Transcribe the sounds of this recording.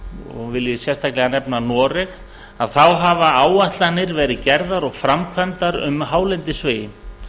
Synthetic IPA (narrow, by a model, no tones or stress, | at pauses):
ɔ̰ɣvɪljɪsjɛst̪ʰaklɛɣanɛpnanɔːɾɪx | aðθawɦavaaːwaht̪lanːɪɾvɛːɾɪðcɛɾðaɾɔɣfɾamkʰvɛnt̪aɾʏ̰mɦaːwlɛnt̪ɪsvɪːjɪ